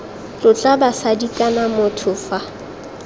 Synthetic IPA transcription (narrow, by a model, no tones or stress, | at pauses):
lʊt͡ɬʼabasadikʼanamʊtʰʊfa